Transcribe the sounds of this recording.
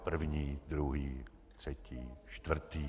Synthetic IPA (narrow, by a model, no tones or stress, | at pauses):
pr̩vɲiːd̪ɾuɦiː | t̪sɛcʰiːʃt̪vr̩t̪iː